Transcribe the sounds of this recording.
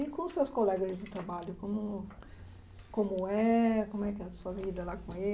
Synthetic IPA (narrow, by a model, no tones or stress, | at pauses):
ikõsewskolɛɡɐzd͡ʒ̪ɪt̪ɾabaʎʊkõmʊ | kõmʊɛkõmʊɛkɪɛɐsuɐvid̪ɐlakõe